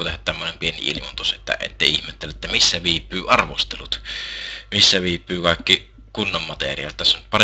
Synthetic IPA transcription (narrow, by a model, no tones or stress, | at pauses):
ot̪ehæt̪t̪æmːonempienḭḭlimunt̪uset̪ːæ̰ḛt̪ːeˑiihmet̪ːelːæʔt̪ːæmisːæʋiːpˑːyːʔɑrʋost̪elut̪ | misːæʋiːpːˑyːkɑˑekːi | kunːommɑt̪ḛrˑiˑɑ̰ˑlt̪æsːont̪pɑr